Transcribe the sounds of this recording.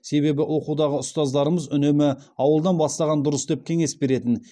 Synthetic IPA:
se̞βe̞bɪwo̞qud̪ɑʁəʊst̪ɑzd̪ɑɾəməzʏne̞mɪɑwəlˠd̪ɑnbɑst̪ɑʁɑnd̪ʊɾəsd̪e̞p̚kʲʰe̞ŋe̞sbe̞ɾe̞t̪ɪn

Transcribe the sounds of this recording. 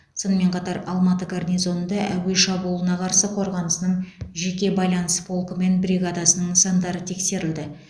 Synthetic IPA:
so̞nəme̞ɴqʰɑt̪ɑɾɑlˠmɑt̪əɡarnʲijzo̞nnd̪ɑʔæwe̞ʃɑbulˠənɑqʰɑɾsəqʰo̞ɾʁɑnəsənəɴʒe̞kʲe̞bɑjlˠɑnəspʰo̞lˠkəme̞nbɾʲiɡad̪ɑsənəɴsɑnd̪ɑɾət̪ʰe̞kse̞ɾɪld̪ɪ

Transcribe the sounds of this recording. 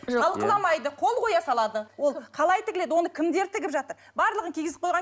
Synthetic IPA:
q̪ʰɑlˠqəlˠɑmɑjd̪əqʰo̞lˠqʰo̞jɑsɑlˠɑd̪əwo̞lˠqʰɑlˠɑjt̪ɪkʲɪle̞d̪ɪwo̞nəkʲʰɪmd̪e̞ɾt̪ʰɪɡʲɪpʒɑt̪əɾ | bɑɾlˠəʁənkʲʰeɡɪzɪp̚qʰojʁɑ

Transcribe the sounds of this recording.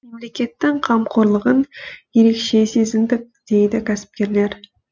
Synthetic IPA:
me̞mle̞kʲe̞t̪ːɪŋqʰɑmqʰo̞ɾlˠəʁənje̞ɾe̞kʃe̞se̞zɪmd̪ɪk̚d̪̥e̞jd̪ɪkʲʰæsɪ̥p̚kʲe̞ɾle̞ɾ

